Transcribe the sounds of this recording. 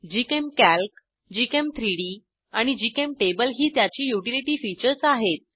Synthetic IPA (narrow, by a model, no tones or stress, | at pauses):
d͡ʑikemkælk | d͡ʑikemt̪ʰɾiɽiː | aɽ̃id͡ʑikemʈebəlɦiːt̪jat͡ɕiːjuʈiliʈiːfit͡ɕəɾt͡saɦet̪̚